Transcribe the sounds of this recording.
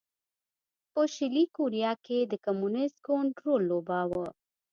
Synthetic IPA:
pəʃɪlikoɾijɑked̪əkomunɪskoɳʈɾolːobɑwə

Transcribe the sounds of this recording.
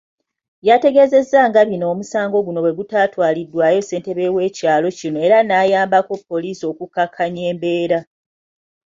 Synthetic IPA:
jate̞ɡe̞ze̞zːaŋɡaβino̞ːmusaːŋɡo̞ɡuno̞βwe̞ɡutaːtwaːlidːwajo̞se̞ːnte̞βe̞we̞ːcaːlo̞cinoe̞ɾanaːjaːmbako̞pːo̞liːsio̞ːkukːakʰːaɲe̞ːmbe̞ːɾa

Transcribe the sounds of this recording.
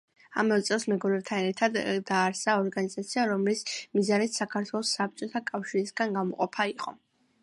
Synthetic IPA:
a̰mɛt̪sʼɛlˠsmɛɡɔɾɛb̚t̪ʰanɛɾt̪ʰad̪ːaːɾsaɔɾɡanizat̪sʰiaɾɔmlismizanit̪sakʰaɾt̪ʰwɛlˠɔsːap̚t͡ʃʼɔt̪ʰakʼafʃiɾisɡanɡamɔqʼɔpʰaiqʼɔ̰

